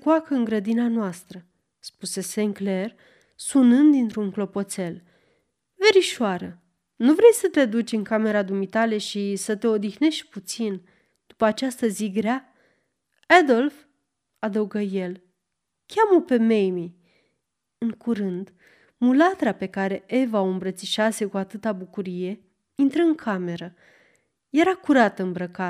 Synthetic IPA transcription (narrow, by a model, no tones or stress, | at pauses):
kwakəɨŋɡɾəd̪inanoast̪ɾə | spuse̞se̞ŋkle̞r | sunɨnd̪ːint̪ɾuŋklo̞po̞t̪se̞l | ve̞ɾiʃoaɾə | nuvɾe̞jsət̪e̞d̪ut͡ʃʲɨŋkame̞ɾad̪umit̪ale̞ʃisət̪e̞o̞d̪ixne̞ʃt̪̚ʲput̪sin | d̪̥upəat͡ʃast̪əziɡɾea | ad̪o̞lf | ad̪əuɡəje̞l | kʲamope̞mejmi | ɨŋkuɾɨnd̪ | mulat̪ɾape̞kaɾe̞ʔe̞vaoɨmbɾət̪siʃase̞kuat̪ɨt̪abukuɾije̞ | int̪ɾəɨŋkʰame̞ɾə | je̞ɾakuɾat̪əɨmbɾəka